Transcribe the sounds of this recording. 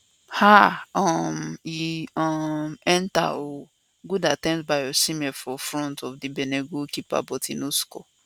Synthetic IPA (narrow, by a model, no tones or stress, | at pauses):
haɔmiɔmɛnta̰o | ɡudatɛ̃nsbajɔsimɛfɔfɾɔ̃ntɔfdibeneɡokipa̰bɔtʰinoskɔ̰